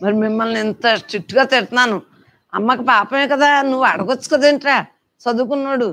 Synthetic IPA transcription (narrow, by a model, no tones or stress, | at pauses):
mɐɾimimːɐlnint̪ɐsʈɾiʈːɡaːt̪eɽt̪unaːnu | ɐ̰mːɐkɐpaːpɐmeːkɐd̪aːnuʋːɐɽɐɡot͡ʃːu̥kɐd̪eɳʈɾaː | sɐd̪uːk̬unːoːɽu